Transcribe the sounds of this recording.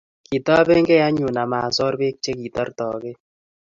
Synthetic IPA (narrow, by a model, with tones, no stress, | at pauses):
ki˨tɔ˦be˦ŋɡe˦a˦ɲu˨na˨ma˨sɔ˦ɾbe˦k̚t͡ʃe˦ki˨tɔ˦ɾtɔ˨ke˦